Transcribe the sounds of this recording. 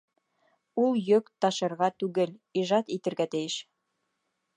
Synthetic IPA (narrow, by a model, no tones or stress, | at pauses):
ulˠjɵkt̪ɑʃɤ̆ɾʁɑt̪ʉɡɘliʒɑt̪it̪ɘ̆ɾɡæt̪ɘ̆jɘʃ